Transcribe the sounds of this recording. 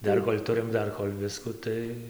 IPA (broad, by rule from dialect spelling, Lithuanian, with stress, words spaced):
ˈdɐr koːlʲ ˈtʊrʲɪm ˈdɐr koːlʲ ˈʋʲɪskʊ ˈtɐɪ